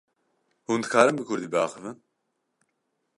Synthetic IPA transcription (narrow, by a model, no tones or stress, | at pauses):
hund̪ɨkʰaːɾɨmbɨkʰʊɾd̪iːbɑːxɨvɨn